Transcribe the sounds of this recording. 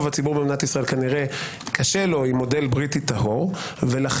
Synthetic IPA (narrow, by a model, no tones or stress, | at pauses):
vat͡sibuʁbemnatisʁae̞lkaniʁe̞ | kʰaʃe̞lo̞imːo̞de̞lbʁititaɦo̞ʁ | velaχ